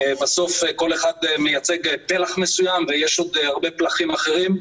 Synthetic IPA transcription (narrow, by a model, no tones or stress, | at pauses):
baso̞feko̞le̞χad̪mejat͡se̞ɡpe̞laχmesujamvejeʃo̞d̪haʁbe̞plaχimaχe̞ʁim